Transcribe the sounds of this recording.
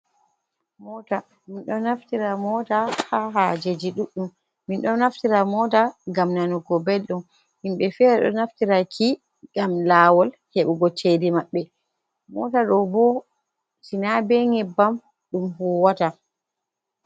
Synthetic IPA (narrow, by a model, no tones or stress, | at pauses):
mɔːta | minɗɔnaftiɾamɔːtahaɦad͡ʒed͡ʒiɗuɗːumː | inɗɔnaftiɾamɔtaɡamnanuɡɔbelɗum | minɓɛfɛːɾɛɗɔ̰naftiɾaki | ɡ̥amlaːwɔl | hɛɓuɡɔt͡ʃːedimaɓːɛ | mɔ̰taɗɔbɔ | tinabɛŋɛbːam | ɗumhuːwata